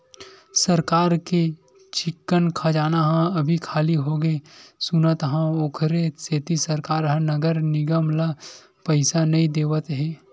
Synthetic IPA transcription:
sɐɾkaːɾke | t͡ʃɪkːənkʰad͡ʒaːnaɦãɐbʱikʰaːliɦoːɡesʊnət̪ɦãoːkʰɾeseːt̪isəɾkaːɾɦãnɐɡəɾnɪɡəmla | pəɪsanɐĩd̪eːʋət̪ɦɛː

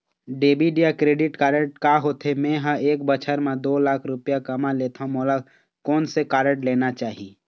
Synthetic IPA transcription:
ɖeːbiɖijakɾeːɖɪʈkaːɾəʈkaɦoːt̪ʰemẽɦə̃eːk̚bət͡ʃʰəɾmẽd̪oːlaːkʰɾʊpjakəmaleːt̪ʰamoːla | kɔːnsekaːɾəʈleːnat͡ʃaːɦi

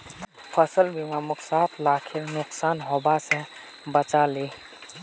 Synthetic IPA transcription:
pʰəsəlbʱimamʊksaːt̪ʰlaːkʰɪɾnʊksaːnɦobase | bət͡ʃaliː

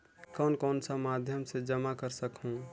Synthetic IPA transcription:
kɔːnkɔːnsamaːd̪ʱjəmsed͡ʒəmakəɾsəkɦũ

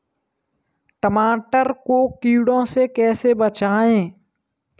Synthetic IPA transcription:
ʈəmaːʈəɾkokiːɽõsekɛːsebət͡ʃaːẽː

